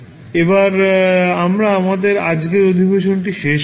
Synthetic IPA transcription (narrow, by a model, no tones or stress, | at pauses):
ebaɾamɾaamad̪eɾad͡ʑɡeɾod̪ʱibeʃonʈiʃeʃ